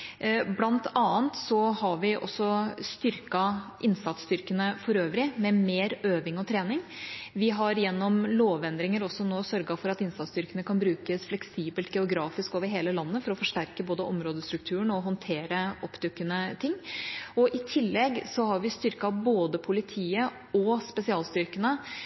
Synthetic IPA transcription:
blɑnt̪ʰɑːnt̪sɔhɑɾʋɪʔɔ̰sːɔst̪ʏɾkɑʔɪnsɑt̪st̪ʏɾkənəfɔɾøːʋɾɪmɛmeːɾøːʋɪŋɔt̪ʰɾeːnɪŋʋɪɦɑɾjɛnːɔmloːʋɛnd̪ɾɪŋəɾɔsːɔnoːsœɾɡɑfɔɾɑt̪ɪnsɑt̪st̪ʏɾkənəkʰɑnbɾʉːkəsflɛksiːbəlt̪ɡɛʊɡɾɑːfɪskoːʋəɾɦeːləlɑnːəfɔɾɔfɔʂʈæɾkəboːd̪əʔɔmɾoːd̪əst̪ɾʉk̚t̪ʰʉːəɳɔɦɔnt̪ʰeːɾəʔɔpːd̪ʉkːənət̪ʰɪŋːɔʔɪt̪ʰɪlːɛɡsɔhɑɾʋɪst̪ʏɾkɑboːd̪əpʰʊlɪt̪ʰiːə | ɔspɛsɪɑːlst̪ʏɾkənə

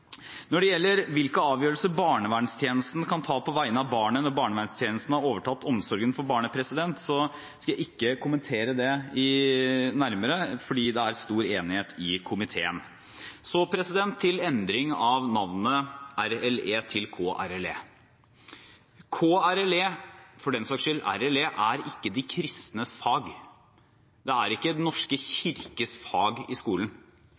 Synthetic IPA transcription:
nɔɖɛjɛlːəɾʋɪlkəɑːʋjøːɾəlsəbɑːɳəʋæɳst̪ʰjeːnəst̪n̩kʰɑnt̪ʰɑːpʰɔʋæɪənəɑʋbɑːɳənɔɾbɑːɳəʋæːɳst̪ʰjeːnəst̪n̩ɑɾoːʋəʈʰɑt̪ːɔmsɔɾɡənfɔɾbɑːɳəpʰɾɛsɪd̪ɛnt̪sɔ | skɑjæɪɪkːəkʰʊmənt̪ʰeːɾəd̪ɛɪnæɾməɾəfɔɖiːd̪ɛæɾst̪uːɾeːnɪheːt̪ɪkʰʊmɪt̪ʰḛːən | sɔpʰɾɛsɪd̪ɛnt̪ʰːɪlɛnd̪ɾɪŋɑʋnɑʋnəʔæɾɛleːt̪ʰɪlkʰoːʔæ̰ɾɛlḛː | kʰoːæɾɛleːfɔɖɛnsɑkʂʏlːæ̰ɾɛleːʔæɾɪkːəd̪ɪkʰɾɪst̪nəsfɑːɡ | d̪ɛæɾɪkːəd̪ɛnɔʂkəçɪɾkəsfɑːɡɪskuːlən

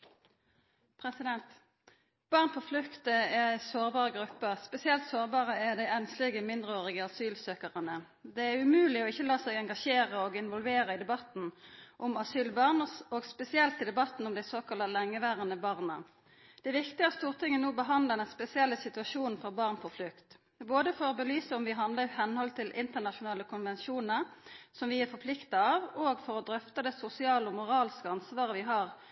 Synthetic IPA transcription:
pʰʁɛsɪd̪ɛnt̪ | b̥ɑːʁnpʰɔflʉkt̪əææɪsoːʁbɑːʁəɡʁʉpːəʁspɛsɪɛlt̪soːʁbɑːʁəæd̪æɪɛnslɪɡəmɪnd̪ʁəoːʁɪɡəɑsyːlsøːkəʁənə | d̪ɛæʉmʉːlɪɔɪçːəlɑːsɛɪɡɛŋɡɑʃeːʁəɔɡɪnʋɔlʋeːʁəɪd̪ɛbɑt̪n̩ʔʊmɑsyːlbɑʁnəsoːɡspɛsɪɛlt̪ɪd̪ɛbɑt̪n̩ʊmd̪æɪsoːkɑlɑlɛŋːəʋæːʁənəbɑːʁnə | d̪̥ɛʋɪkt̪ɪæʁst̪uːʁt̪ʰɪŋːənoːbəɦɑnd̪ləɛnɛnspɛsɪɛlːəsɪt̪ʉɑʃuːnfɔʁbɑʁnpʰɔflʉkt̪ | boːd̪əfɔʁɔbəlyːsəɔmʋɪɦɑnd̪ləɪhɛnhɔlt̪ʰɪlʔɪnt̪əʁnɑʂʊnɑːləkʰʊnʋɛnʃuːnəʁsɔmʋɪæfɔpʰlɪkt̪ɑɑːʋoːɡfɔɾɔd̪ɾœft̪ɑd̪ɛsʊsɪɑːləɔmʊʁɑːlskəɑnsʋɑːʁəʋɪɦɑːʁ

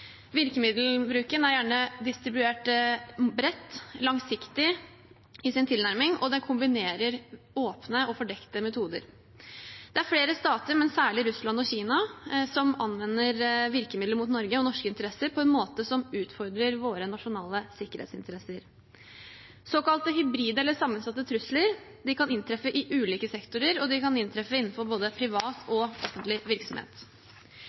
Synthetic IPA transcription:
ʋɪɾkəmɪd̪l̩bɾʉːkənæɾjæːɳəd̪ɪst̪ɾɪbʉeːʈ | bɾɛt̪ːlɑŋsɪkt̪ɪ | ɪsɪnt̪ʰɪlnæɾmɪŋʔɔ̰d̪ɛnkʰʊmbɪneːɾəɾ | oːpnəɔfɔɖɛkt̪əmɛt̪ʰuːd̪ə̰ɾ | d̪ɛæɾfɽeːɾəst̪ɑːt̪əɾmɛnsæːɭɪɾʉslɑnɔçiːnɑsɔmɑnʋɛnːəɾʋɪɾkəmɪd̪ləɾmʊt̪nɔɾɡəɔnɔʂkəɪnt̪əɾɛsːəɾpʰɔɛnmoːt̪əsɔmʉːt̪fɔɾd̪ɾəɾʋoːɾənɑʂʊnɑːləsɪkːəɾhḛːt̪sɪnt̪əɾɛsəɾ | soːkɑlt̪əɦʏbɾiːd̪əɛlːəʂɑmːənsɑt̪ːət̪ʰɾʉsləɾ | d̪ɪkʰɑnɪnt̪ʰɾɛfəʔɪʔʉːliːkəsɛkt̪ʊɾəɾɔd̪ɪkɑnɪnt̪ʰɾɛfəɪnːn̩fɔɾboːd̪əpʰɾɪʋɑːt̪ʰɔɔfːənt̪lɪʋɪɾksɔmhḛːt̪

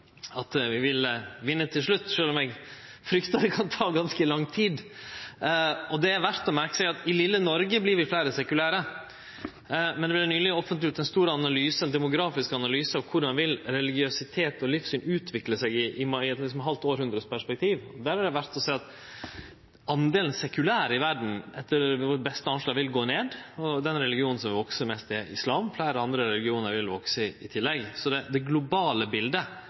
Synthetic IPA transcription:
ɑt̪ʋɪʋɪlʋɪnːət̪ʰɪlʂɭʉt̪ːʂøːlɔmɛɡ | fɾʏkt̪ɑd̪ɛkʰɑnt̪ʰɑːɡɑnskəlɑŋːt̪ʰiːd̪ | ɔd̪ɛæɾʋæɾt̪ɔmæɾkə̥sɛɡɑt̪ɪlɪlːənɔɾɡəblɪɾʋɪflæːɾəsɛkʉlæːɾə | mɛnd̪ɛʋɪlnyːlɪɔfənt̪ɪʉːt̪d̪ɛnst̪uːɾəɑnɑlyːsəɛnd̪ɛmʊɡɾɑːfɪskɑnɑlyːsəɑʋkʰʊɾɑnʋɪlɾɛlɪɡɪøsɪt̪ʰeːt̪ɔlɪfsyːnʉːt̪ʰʋɪkləsɛɡɪʔɪmɑɪɛt̪lɪsɔmɦɑlt̪oːɾhʉnd̪ɾəspʰæʂpɛk̚t̪ʰiːʋɔd̪æːɾhɑɾɖ̪ɛʋæɾt̪ɔsɛːɑt̪ | ɑnd̪eːln̩sɛkʉlæːɾɪʋæɖɳ̩ɛt̪ːəɾʋɔɾbɛst̪əɑnʂlɑːɡʋɪlɡoːneːd̪ɔd̪ɛnɾɛlɪɡɪuːnn̩s̬ɔmʋɔksəmɛst̪ɪɛɪ̰slɑːmflæːɾəɑnd̪ɾəɾɛlɪɡɪuːnəɾʋɪlʋɔksəɪɪt̪ʰɪlːɛɡsɔd̪ɛd̪ɛɡlʊbɑːləbɪld̪ə

